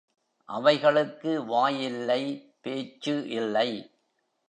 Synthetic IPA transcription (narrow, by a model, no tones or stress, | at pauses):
ʔɐʋɐɪɣɐɭɯkːɯʋaːjɪlːɐɪ | peːt͡ʃːɯʔɪlːɐɪ